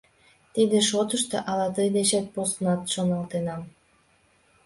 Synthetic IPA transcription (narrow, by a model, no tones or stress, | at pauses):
t̪id̪ĕʃot̪əʃt̪ḛʔɑlɑt̪ɤjd̪eɕat̪̚posnɑt̪ʃonɑlt̪enɑm